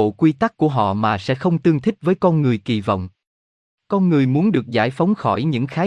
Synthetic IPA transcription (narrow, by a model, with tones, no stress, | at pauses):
kwi˧t̪a˦˥k̚kːu˧˩əɦɔ̰˧˨maː˨˩sɛ̰˧˥xə˧wŋ͡mt̪ɨ˧əŋt̪ʰï˦˥k̟̚vəː˨˦jkɔ˧nŋɨ˨˩əjki˨˩vɔ̰˧˨wŋ͡m | kɔ˧nŋɨ˨˩əjmu˨˦ənɗɨ˨˩ək̚za̰ː˧˩jfa˨˦wŋ͡mxɔ˧˩jɲɨ̰˧˥ŋxaː˨˦